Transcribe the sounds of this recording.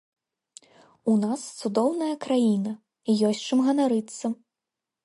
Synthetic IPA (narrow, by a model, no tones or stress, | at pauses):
unast̪sud̪ɔwnɐjɐkɾajinɐ | jɔsʲt͡ʂɨmɣɐnaɾɨt̪sːɐ